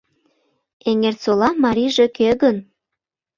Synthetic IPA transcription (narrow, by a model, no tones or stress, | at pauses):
eŋert͡solɑmɑɾʲiʒekøɣən